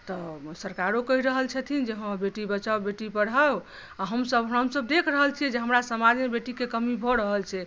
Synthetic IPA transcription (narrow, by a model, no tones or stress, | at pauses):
t̪ɔsəɾkaɾokəɦiɾəɦəlt͡ʃʰɛt̪ʰind͡ʒeɦə̃beʈibət͡ʃabeʈibəɽ̤a | aɦəmsəbɦɦəmsəb̚d̪ekʰɾəɦəlt͡ʃʰiɛd͡ʒeɦəmɾasəmad͡ʒʱmebeʈikekəmibʱɔɾəɦəlt͡ʃʰɛ